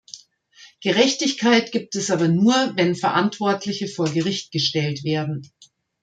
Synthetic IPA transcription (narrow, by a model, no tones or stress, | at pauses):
ɡ̥əʁɛçtɪçkʰaɪtɡ̥iːp̚tɛsʔaːbɐnuːɐvɛnfɐʔantv̥ɔɐtʰlɪçəfoːɐɡəʁɪçt̚ɡ̥əʃtɛltv̥eːɐdn̩